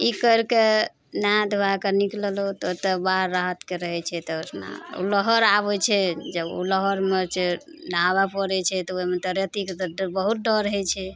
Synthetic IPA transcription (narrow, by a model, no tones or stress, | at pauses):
ikəɾke | nad̪bakənikləlot̪ɔt̪əbaɾːaɦət̪keɾəɦɛt͡ʃʰɛt̪ɔot̪ʰna̰o̰ləɦəɾaβɛt͡ʃʰɛd͡ʒəbo̰ləɦəɾmeɾt͡ʃe | ɖaβapəɾɛt͡ʃʰɛt̪ɔoimet̪əɾjət̪ik̪bəɦut̪̚ɖəɾɦɛt͡ʃʰɛ